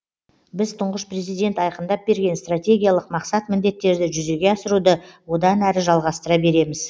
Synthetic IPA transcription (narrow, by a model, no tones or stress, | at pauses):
bɪzt̪ʰʊɴʁəʃpre̞zijd̪ʲe̞nt̪ɑjqənd̪ɑp̚be̞ɾɡʲe̞nst̪rat̪ʲe̞ɡʲijalˠəqmɑqsɑt̪mɪnd̪e̞t̪ːe̞ɾd̪ɪʒʏze̞ɡʲe̞ɑsəɾud̪əwo̞d̪ɑnæɾɪʒɑlˠʁɑst̪əɾɑbe̞ɾe̞mɪz